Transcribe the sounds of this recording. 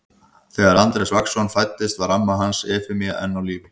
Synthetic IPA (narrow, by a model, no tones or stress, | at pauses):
θɛːɣaɾant̪ɾɛsvaksɔnfajt̪ːɪst̪varamːaɦansɛːfɪmia̰ʔɛ̰nːawliːvɪ